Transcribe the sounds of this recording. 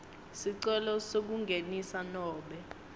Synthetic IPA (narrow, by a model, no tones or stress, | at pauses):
siǀɛlɔsok̬uŋɡʱenisanɔːɓɛ